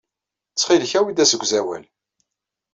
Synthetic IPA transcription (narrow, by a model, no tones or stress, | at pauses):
t͡sːχilçæwid̪æsəɡʷzæwæ̰l